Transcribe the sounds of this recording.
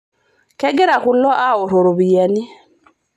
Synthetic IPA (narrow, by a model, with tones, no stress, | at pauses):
kɛ˦ɡe˦ɾa˨ku˨˦lɔ˦ʔa˦o˨ɾo˨ɾo˨βi˨ja˨ni˦